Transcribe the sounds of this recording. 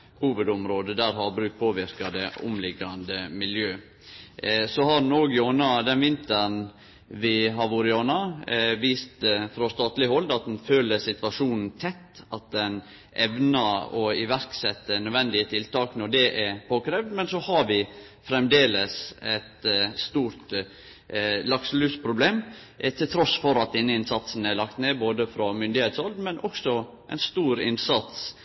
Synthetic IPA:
huːʋəd̪ʊmɾoːd̪əd̪æɾɦɑbɾʉːkt̪̚pʰoːʋɪɾkɑd̪əʊ̰mlɪɡɑnd̪əmɪljøː | sɔhɑdn̩oːɡɪoːnɑd̪ɛnʋɪnt̪əɾn | ʋɪɦɑʋʊɾɪɑːnɑʋiːst̪fɾɑst̪ɑːt̪lɪɦɔld̪ɑt̪̚d̪ɛnføːləsɪt̪ʋɑʂuːnn̩t̪ʰɛt̪ːɑt̪̚d̪ɛn | ʔɛʋnɑɔɪʋæɾksɛt̪ːənœʋɛnd̪ɪət̪ʰɪlt̪ɑːknɔɖɛʔɛpʰoːkɾɛːʋd̪mɛnsɔhɑɾʋɪ | fɾɛmd̪eːləsɛt̪st̪uːɾt̪ | lɑkslʉːspʰɾʊbleːm | ʔt̪ʰɪlt̪ʰɾɔsfɔɾɑt̪̚d̪ɛnːəɪnsɑt̪sn̩æɭɑkt̪neːboːd̪əfɾɔmʏnd̪ɪheːt̪sɔld̪̩mɛnʔɔksɔ | ʔɛ̰ɪnst̪uːɾɪ̰nsɑt̪s

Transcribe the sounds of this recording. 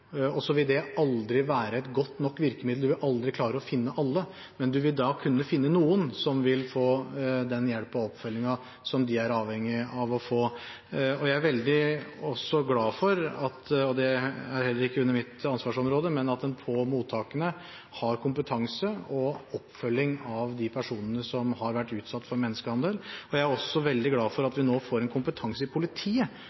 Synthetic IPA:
ɔsɔʋɪld̪ɛʔɑld̪ɾɪʋæːɾəɛt̪ɡɔt̪ːnɔkːʋɪɾkəmɪd̪ld̪ʉʋɪlʔɑld̪ɾɪkʰlɑːɾəɔfɪnːəʔɑlːə | mɛnd̪ʉʋɪld̪ɑkʰʉnːəfɪnːənuːənsɔmʋɪlfoːd̪ɛnjɛlpːɔɔpfœlːɪŋɑ | sɔmd̪ɪæɾɑːʋhɛŋːɪɑʋɔfoː | ɔjæɪæɾʋɛld̪ɪɔsːɔɡlɑːfɔɾɑt̪ɔd̪ɛæɾhɛlːəɾɪkːəʉnːəɾmɪt̪ɑnsʋɑːʂɔmɾoːd̪əmɛnɑt̪ɛnpʰɔmuːt̪ʰːɑːkənə | hɑɾkʰʊmpət̪ʰɑŋsəɔɔpːfœlːɪŋɑʋd̪ɪpʰæʂuːnənəsɔmɦɑɾʋæʈːʉːt̪sɑt̪ːfɔɾmɛnːəskəhɑnd̪əlɔjæɪæɾɔsːɔʋɛld̪ɪɡlɑːfɔɾɑt̪ʋɪnoːfoːɾɛnkʰʊmpət̪ʰɑŋsəɪpʰʊlɪt̪ʰiːə

